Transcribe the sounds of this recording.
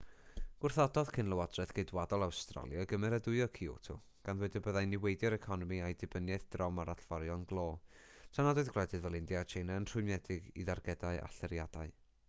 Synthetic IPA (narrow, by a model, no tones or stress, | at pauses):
ɡ̥ʊrθɔdɔðkʰɪnlˠəwadrɛðɡ̥ejdwadɔlˠawstra̰lˠjaɡəmɛɾədʊɨɔkʰiṵtʰʊ̰ | ɡ̥anðwɛdəbəðajnɪwejdjɔɾɛkʰɔnɔmiajdɪbənjɛθd̥rɔmaɾaɬv̥ɔɾjɔnɡlˠoːtʰanadʊɨðɡlɛdɪðvɛlˠɪndjat͡ʃʰejnɛənr̥ʊjmnɛdɪɡḭðarɡɛdaɨa̰ɬɛɾjad̥aɨ